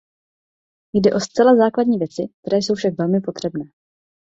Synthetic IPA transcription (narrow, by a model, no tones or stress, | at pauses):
jdɛʔo̞st͡sɛlazaːkladɲiːvjɛt͡sɪk̚t̪ɛɾɛːjso̞wfʃakvɛlmɪpo̞t̪r̝̥ɛbnɛː